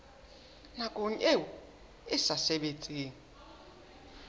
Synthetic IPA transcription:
nakʼoɲewɔ | ɪsasɛɓet͡sʼiːŋi

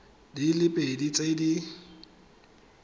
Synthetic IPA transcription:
dilɪpʼedit͡sʼedi

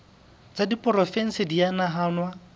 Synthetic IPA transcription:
t͡sadipʼɔrɔfɛn̩sɪdianaɦaːnwa

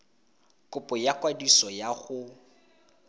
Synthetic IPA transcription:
kʼʊpʼɔjakwadisɔjaɣʊ

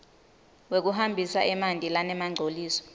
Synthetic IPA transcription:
wek̬uɦambʱisa̰ʔɛmantʼilanɛmaŋ͡ǀʱoliːsɔ̥

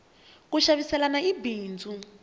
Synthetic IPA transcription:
kuʃaβisɛlanaibiːnd͡zʱu

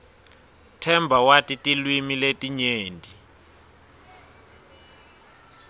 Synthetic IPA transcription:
tʰɛmbʱawatʼitʼilwimiletʼiɲeːndʱi

